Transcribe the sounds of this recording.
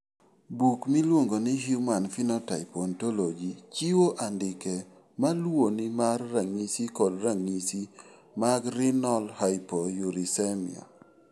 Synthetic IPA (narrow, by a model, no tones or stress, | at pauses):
bukmilwoŋɡonɪɦumanfinɔtaɪpɔntɔlod͡ʒit͡ʃiwoʔandɪke | malwonimarːaŋisikɔdɾaŋisi | maɡɾɪnɔlhaɪpɔjuɾisɛmɪ̰ɔ̰